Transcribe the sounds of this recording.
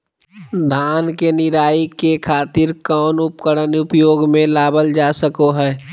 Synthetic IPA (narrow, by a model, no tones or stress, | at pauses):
d̪ʱaːnkenɪɾaːikekʰaːt̪ɪɾkɔːnʊpkəɾənʊpjoːɡmẽlaːbəld͡ʒaːsəkoɦɛː